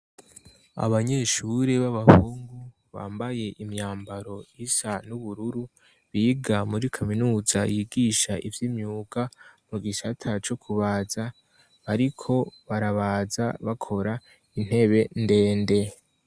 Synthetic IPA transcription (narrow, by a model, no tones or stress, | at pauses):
a̰βaɲe̞ʃuɾe̞βaβahuːŋɡu | βa̰ːmbaje̞ʔimɲaːmbaɾo̞isanuβuɾuɾu | βiːɡamuɾikʰaminuːzajiːɡiʃaʔivjimɲuːɡamuɡisatʰat͡ʃo̞kʰuβaːza | βaɾikʰo̞βaɾaβaːza̰βakʰo̞ɾa | in̥he̞βe̞nde̞ːnde̞